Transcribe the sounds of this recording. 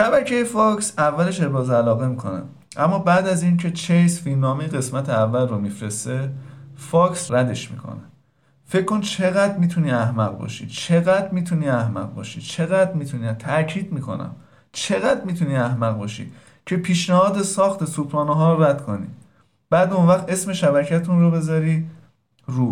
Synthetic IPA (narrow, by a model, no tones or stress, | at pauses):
ʃæbæcʰejefɒːcsævːæle̞ʃeɾbɒːzælɒːɣe̞miːkʰo̞̰næ̰ | ʔæmːɒːbæːd̪æzincʰe̞t͡ʃʰejsfinːɒːmejeɣe̞smæt̪ʰeævːælromiːfɾe̞st̪e̞fɒːcʰsræd̪e̞ʃmḭːkʰo̰ne | fe̞cʰːo̞nt͡ʃʰe̞ɣæd̪miːt̪ʰuniːæhmæɣbɒ̰ːʃḭt͡ʃʰe̞ɣæd̪miːt̪ʰuniːæhmæ̰ɣbɒ̰ːʃiːt͡ʃʰe̞ɣæd̪ɾmiːt̪ʰuniæt̪ʰæɾcʰiːd̪miːkʰo̞̰næ̰m | t͡ʃʰe̞ɣæd̪miːt̪ʰuniːæhmæɣbɒːʃḭ | cʰe̞pʰiːʃnæhɒːd̪e̞sɒːxt̪ʰe̞supʰɾɒːnɔɦɒːɾoɾæd̪̥kʰo̞nḭː | b̥æːd̪onvæxt̪e̞sme̞ʃæbæcʰæt̪ʰunrobe̞zɒːɾiː | ruː